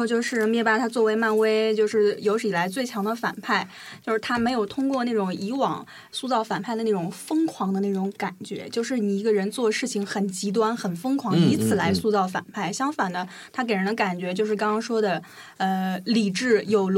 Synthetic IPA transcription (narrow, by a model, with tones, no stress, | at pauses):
t͡ɕjo˥˧ʊʂɻ̩˥˧mjɛ˥ba˥˩t̪ʰa˥t͡swɔ˥˩we˧˥ɪma˥˧nwe˥ɪt͡ɕjo˥˧ʊʂɻ̩˥˩jo˧˥ʊʂ̩˨˩i˨˩la˧˥ɪt͡swe˥˩ɪt͡ɕʰjɑ˧˥ŋd̪ə˧fa̰˨˩npʰa˥˩ɪ | t͡ɕjo˥˧ʊʂɻ̩˥˩t̪ʰa˥me˧˥ɪjo˨˩ʊt̪ʰʊ˥ŋkwɔ˥˧na˥˩ʈ͡ʂʊ˨˩ŋi˧˥wɑ̰˨˩˦ŋ | su˥˧t͡sɑ˥˩ʊfa˨˩npʰa˥˩ɪə˩na˥˩ʈ͡ʂʊ˨˩ŋfɤ˥ŋkʰwɑ˧˥ŋd̪ə˧na˥˩ʈ͡ʂʊ˧˥ŋka˨˩nt͡ɕɥɛ̰˧˥t͡ɕjo˥˧ʊʂɻ̩˥˩ni˨˩i˧˥ɡə˧ɻə˧˥nt͡swɔ˥˩ʂɻ̩˥˩t͡ɕʰi˨˩ŋxə˨˩nt͡ɕi˧˥t̪̬wa˥nxə˨˩nfɤ˥ŋkʰwɑ˧˥ŋi˧˥t͡sʰɹ̩˨˩la˧˥ɪsu˥˧t͡sɑ˥˩ʊfa̰˨˩npʰa˥˩ɪɕjɑ˥ŋfa˨˩nə˦ | t̪ʰa˥ke˨˩ɪɻə˧˥nd̪ə˧ka˨˩nt͡ɕɥɛ˧˥t͡ɕjo˥˧ʊʂɻ̩˥˩kɑ˥ŋkɑ˥ŋʂwɔ˥d̪ə˨ | ə˧li˨˩ʈ͡ʂɻ̩˥˩jo˨˩ʊl